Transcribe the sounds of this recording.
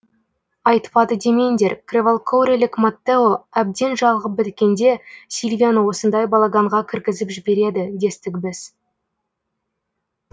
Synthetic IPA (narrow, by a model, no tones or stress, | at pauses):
ɑjt̪pɑd̪əd̪eme̞nd̪e̞ɾkrʲevolˠkʰowɾʲelʲɪkmat̪ːeoæb̚d̪e̞nʒɑʁˠʁəp̚bɪt̪kʲe̞nd̪e̞sʲilʲvʲijanəwo̞sənd̪ɑjbɑlˠaɡɑɴʁɑkʲʰɪɾɡʲɪzɪpʒɪbe̞ɾe̞d̪ɪd̪e̞st̪ɪkʲbɪz̥